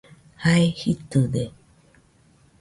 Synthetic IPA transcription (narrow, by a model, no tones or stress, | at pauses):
haehit̪ɯd̪e